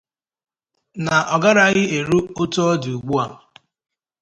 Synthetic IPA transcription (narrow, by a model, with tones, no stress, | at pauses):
na˨ʔɔ˨ɡa˦ɾa˦ɣɪ˦e˨ɾu˦o˦to˦ɔ˦du˨u˨ɡ͡bu˦a˨